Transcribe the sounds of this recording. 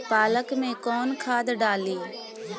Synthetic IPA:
paːləkmẽkɔːnkʰaːd̪ɖaːliː

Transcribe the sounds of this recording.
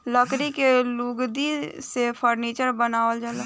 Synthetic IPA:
ləkɾikeluɡd̪isepʰəɾniːt͡ʃəɾbənaːʋəld͡ʒəla

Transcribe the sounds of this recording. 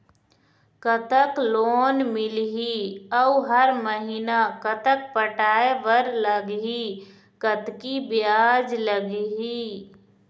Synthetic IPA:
kət̪əkloːnmɪlɦiəuɦəɾməɦinakət̪ək̚pəʈaːeʋəɾləɡi | kət̪kibjaːd͡ʒləɡɦi

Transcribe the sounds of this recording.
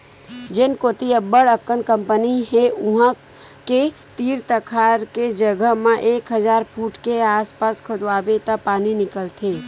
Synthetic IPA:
d͡ʒɪnkot̪iəbəɽəkːəɳkə̃mpəniɦeʊɦã | ke | t̪iːɾt̪əkʰaːɾked͡ʒəɡəɦmẽʔeːkɦəzaːɾpʰuːʈkeaːspaːskʰʊd̪waːbet̪apaːninɪkəlt̪ʰeː

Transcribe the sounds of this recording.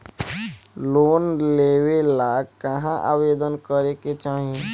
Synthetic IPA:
loːnleːwelaːkəɦãʔa̰ːʋeːd̪ənkəɾeket͡ʃaːɦiẽ

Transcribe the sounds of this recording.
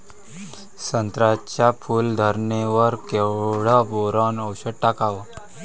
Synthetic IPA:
sənt̪ɾat͡ɕafʰuːld̪ʱəɾneʋəɾkeʋɽaboɾanəwɕəʈakaʋə

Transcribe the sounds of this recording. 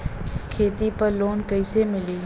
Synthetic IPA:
kʰeːt̪ipəɾloːnkəɪsemɪliː

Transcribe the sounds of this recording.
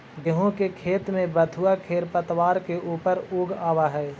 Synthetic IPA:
ɡɪɦõkekʰeːt̪mẽbəd̪ʱʊakʰeːɾpət̪waːɾkeʔuːpəɾuːɡaːwaɦɛː

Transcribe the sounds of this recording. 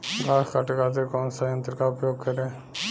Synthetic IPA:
ɡʱaːɾkaʈkaːt̪̬ekɔːnsajənt̪ɾkaʊpjoːɡ̚kəɾẽː

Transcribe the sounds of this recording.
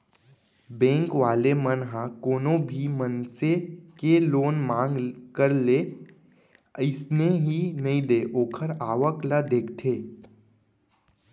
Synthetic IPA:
bɛ̃ːŋkʋaːlemənɦãkoːnõbʱimənsekeloːnmãːŋɡkəɾle | əɪsneɦinɐɦĩd̪eːʔoːkʰəɾaːʋəklad̪eːkʰt̪ʰeː

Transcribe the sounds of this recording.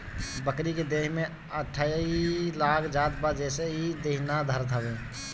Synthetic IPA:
bəkɾiked̪eːɦmẽ | əʈʰːaːjilaːkʰd͡ʒaːd̪bad͡ʒɛseid̪eɦnad̪ʱəɾt̪ʰəbẽ

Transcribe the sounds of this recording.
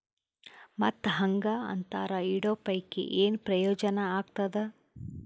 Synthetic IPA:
mɐt̪ːɦɐŋɡaɐ̰nt̪a̰ːɾɐiɽoːpɐjkḛʔeːnpɾɐjɔːd͡ʒɐnɐaːɡt̪ɐd̪e

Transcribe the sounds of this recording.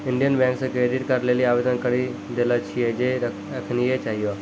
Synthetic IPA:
ɪ̃ɳɖijənbɛ̃ːŋksekɾeːɖɪʈkɐɾleːliaːʋeːd̪ənkəɽi | d̪elat͡ʃʰied͡ʒe | ɐkʰniɦet͡ʃaːɦijo

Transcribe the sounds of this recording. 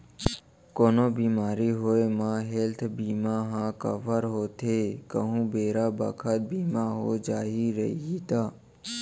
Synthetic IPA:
koːnoːbiːmaːɾiɦoːemãɦelt̪ʰbiːmaɦãːkəʋəɾɦoːt̪ʰekəɦũːbeːɾaːbə̰kʰət̪̚biːmaɦo̰ːd͡ʒaːɦiɾə̰iit̪aː

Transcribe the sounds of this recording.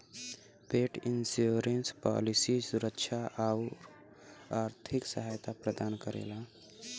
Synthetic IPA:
peʈinsjoɾenspa̰lisisuɾəkʃʰaʔaʊɾ | aɾt̪ʰiksəɦajt̪apɾəd̪ankəɾḛla

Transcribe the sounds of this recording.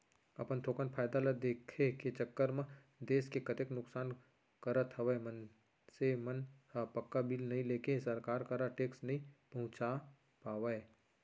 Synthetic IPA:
ɐpənt̪ʰoːkənpʰaːjd̪aləd̪eːkʰeket͡ʃɐkːəɾmẽ | d̪eːskekɐt̪eknʊksaːn | kɐɾət̪ɦɐʋeemən | semɐnpɐkːabʱiːlnɐɦĩleːkesɐɾkaːɾkaɾaʈeːksnɐɦĩpɐɦʊ̃t͡ʃa | paːʋəe

